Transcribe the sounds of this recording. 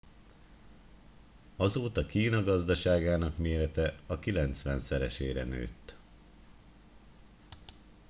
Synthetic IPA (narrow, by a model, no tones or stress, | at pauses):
ɒzoːt̪ɒkiːnɒɡɒzd̪ɒʃaːɡaːnɒkmeːɾɛt̪ɛɒkilɛnt̪sʋɛnt̪sɛɾɛʃeːɾɛ̰nø̰ːt̪ː